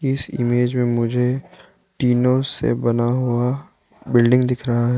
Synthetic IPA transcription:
ɪsɪ̰meːd͡ʒmẽmʊd͡ʒʱe | ʈiːnosḛbɐnaɦua | bɪlɖɪ̃ŋɡd̪ɪkʰɾɐɦaɦɛ

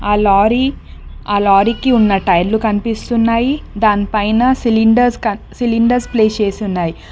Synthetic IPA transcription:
aːlaːɾi | aːlaːɾikiunːɐʈɐjɾlukɐnipist̪unːaːjid̪aːnipɐjnaːsiliɳɖɐɾskɐsiliɳɖɐɾspleːt͡ʃeːst̪unːaːji

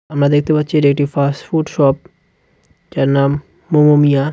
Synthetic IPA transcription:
amɾad̪ekʰt̪epatːɕʰiɾek̚ʈifasʈfuɖʃɔp̚ | t͡ʃaɾnamː | omomija

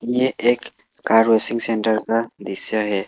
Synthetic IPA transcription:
ieɛkː | aɾwesiŋsɛntɐɾkad̪isjaɦɛ

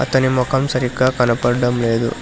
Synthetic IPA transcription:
ɐ̰t̪ɐnimɔkʰɐmsɐɾikɐkɐnɐpɐɾɖɐmleːd̪ṵ

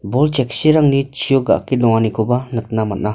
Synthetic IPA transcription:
bɔlt͡ʃɛk̚siɾaŋnit͡ʃʰijɔɡa̰kːid̪ɔŋanikʰobanɯt̪̚namat̚na

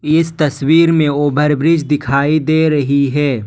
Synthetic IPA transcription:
ɪst̪ɐswiːɾmẽoːbʱəɾbɾɪd͡ʒʱd̪ɪkʰaːid̪eːɾɐɦiɦɛː

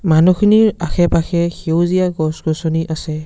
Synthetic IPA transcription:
manuxʰiniɹaxʰɛpaxʰɛxiwzijaɡɔsɡɔsɔniʔasɛ

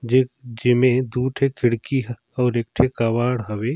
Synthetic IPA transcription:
d͡ʒd͡ʒɪmẽd̪uːʈʰekʰɪɽkiɦ | ɔːɾeːk̚ʈʰekaʋaːɽɦɐwe

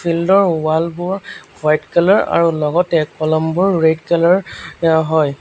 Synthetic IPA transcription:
fʰildɔɹʊwalbʊɹbajtkɛlɔɹa̰ɹulɔɡɔtɛkɔlɔmbʊɹɹedkɛlɔɹɦɔj

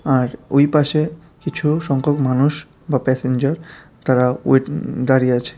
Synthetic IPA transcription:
aɾojpaʃe | kit͡ɕʰuʃɔŋkʰokmanuʃ | bapɛsend͡ʑaɾ | t̪aɾaṵd̪aɾijeat͡ɕʰe̥

